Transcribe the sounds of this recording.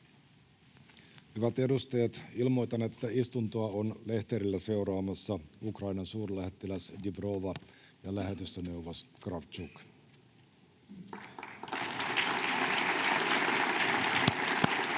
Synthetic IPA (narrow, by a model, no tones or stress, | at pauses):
hyʋæt̪e̞dust̪ɑjɑt̪ilmo̞jt̪ɑne̞t̪ːæist̪unt̪oɑonle̞ht̪eɾilːæse̞uɾɑːmɑsːɑukrɑjnɑnsuːrlæhet̪ːelæsdibro̞ʋɑ | jɑlæɦe̞t̪yst̪øne̞wʋoskrɑft͡ʃuk